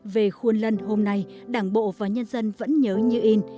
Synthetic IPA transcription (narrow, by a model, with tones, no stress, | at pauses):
ve˨˩xwu˧ənlə˧nho˧mna˧jɗaː˨˩ŋɓo̰˧˨vaː˨˩ɲə˧nzə˧nvə̰˧˥nɲəː˨˦ɲɨ˧ʔi˧n